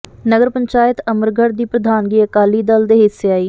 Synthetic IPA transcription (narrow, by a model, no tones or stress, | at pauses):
nəɡəɾpəɲt͡ʃaːjɪt̪əməɾɡʱəɽd̪iːpɾəd̪ʱaːnɡiːəkaːliːd̪əld̪eːɦɪsːeːaːiː